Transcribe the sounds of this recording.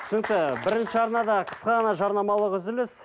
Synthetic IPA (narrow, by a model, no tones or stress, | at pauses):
sʏnk̚t̪ɪbɪɾɪnʃɪɑɾnɑd̪ɑqʰə̥sqɑʁɑnɑʒɑɾnɑmɑlˠəqʏzd̪ɪlɪs